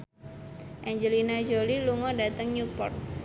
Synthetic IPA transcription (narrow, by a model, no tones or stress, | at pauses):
ʔɛɲd͡ʒəlinad͡ʒoliluŋɔdat̪əŋɲupɔrt̪̚